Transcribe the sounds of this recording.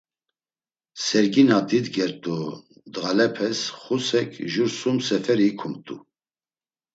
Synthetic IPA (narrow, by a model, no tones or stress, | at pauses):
sɛɾɡinad̪id̪ɡɛɾt̪ʼu | d̪ʁalɛpʰɛsχusɛkʰʒuɾsumsɛfɛɾiːkʰumt̪ʼu